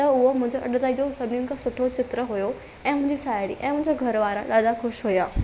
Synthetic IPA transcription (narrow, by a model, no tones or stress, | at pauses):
t̪ɐʊɦomʊ̃ɦɪ̃ɲd͡ʑoʔɐɗt̪aːid͡ʑosɐbninɪkʰẽsʊʈʰot͡ɕɪt̪ɾəɦʊjo | ɛ̃ːmʊ̃ɦɪ̃ɲd͡ʑisaːjɪɽḭʔɛ̃ːmʊ̃ɦɪ̃ɲd͡ʑoɡʱɐɾʋaːɾãɗaːd̪axʊʃɦujaː